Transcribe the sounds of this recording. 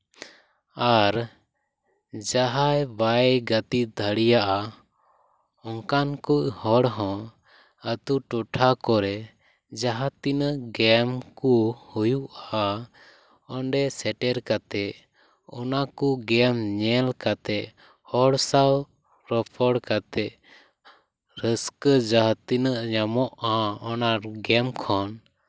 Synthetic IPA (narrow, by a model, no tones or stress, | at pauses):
aɾ | d͡ʒaɦajbaɡət̪id̪ʱəɽijaʔa | ɔŋkankuʔhɔɽɦɔ̃ | ət̪uʈɔʈʰakɔɾɛ | d͡ʒaɦat̪inɡɛmkuhujuʔaa | ɔɳɖɛsɛʈɛɾkat̪ɛʔ | ɔnakuɡɛmɲɛlkat̪ɛʔ | hɔɽsaw | ɾɔpʰɔɽkat̪ɛʔ | ɾəskəd͡ʒaɦt̪inəʔɲamɔʔaɔnaɾɡɛmkʰɔn